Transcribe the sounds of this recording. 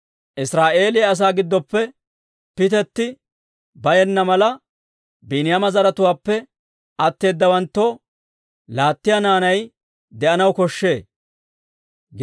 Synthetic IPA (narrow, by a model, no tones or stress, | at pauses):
ʔɪsɾaːʔe̞ːlɪjɐɐs̬aːɡɪd̪ːɔpːɛ | pɪt̪ɛt̪ːɪ | bɐjɛnːɐmɐlɐ | biːnɪjamɐzɐɾɐt̪ʊwaːpːɛ | ʔɐt̪ːe̞ːd̪ːɐwɐnt̪ːo | laːt̪ːɪjanaːnɐj | d̪ɛʔɐnɐwkɔʃːe̞ː | ɡ